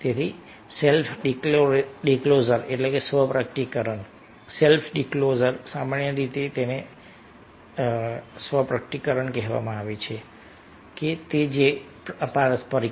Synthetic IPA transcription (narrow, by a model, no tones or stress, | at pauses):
t̪et̪ʰi | selfʰɖikoɖiklozəɾeʈlekesʋəpɾək̚ʈikəɾəɳ | selfʰɖiklozəɾsamaɳjəɾit̪et̪ene | sʋəpɾək̚ʈikəɾəɳkɛɦʋa̰mãaʋet͡ʃʰe | ket̪ed͡ʒe | əpaɾspəɾi